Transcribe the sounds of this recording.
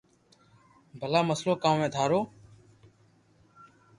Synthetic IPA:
bʱəlaːməsloːkãːmmẽːd̪ʱaːɾoː

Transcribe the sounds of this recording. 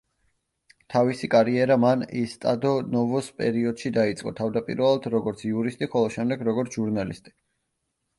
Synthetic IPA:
t̪ʰavisikʼaɾiɛɾamanist̪ʼa̰d̪ɔnɔvɔspʼɛ̰ɾiɔd̪̥ʃid̪ait̪sʼqʼɔ̰t̪ʰavd̪apʼḭɾvɛlˠad̪ɾɔɡɔɾt̪sʰiuɾist̪ʼiχɔlˠɔʃɛmd̪ɛɡɾɔɡɔɾt̪ʰʒuɾnalist̪ʼi̥

